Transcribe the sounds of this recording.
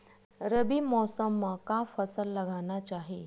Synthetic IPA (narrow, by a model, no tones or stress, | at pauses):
ɾəbimɔsəmːãkafəsəlːəɡʱanat͡ʃaɦi